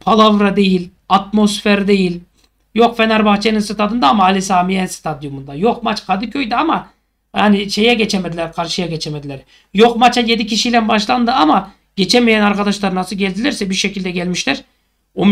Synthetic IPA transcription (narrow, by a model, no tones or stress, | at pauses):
pʰalˠavɾad̪e̞jilʲ | at̪mo̞sfeɾd̪e̞jilʲ | jo̞kfenaɾbaxt͡ʃʰeninsɯt̪ʰat̪ɯnd̪aːmaːlʲisaːmijɛnst̪ʰad̪jumund̪ajo̞q̚mat͡ʃkʰad̪ɯkʰøjd̪iama | jaːniʃe̞jɛɟet͡ʃʰemed̪ilʲæɾkʰaɾʃɯjaɟet͡ʃʰemed̪ilʲæɾ | jo̞qmat͡ʃajed̪icʰiʃijlʲænbaʃlˠand̪ɯama | ɟ̥et͡ʃʰɛmijænaɾkad̪aʃlˠaɾɯnasɯlˠɟɛlʲd̪ilʲæɾsɛbiɾʃecilʲd̪ɛɟælʲmiʃlæɾ | om